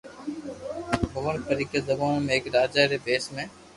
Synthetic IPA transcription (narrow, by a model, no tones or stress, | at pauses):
bəʋənpəɾiːked̪əbaːnmẽːɪkɾaːd͡ʒaːɾeːbeːsmẽː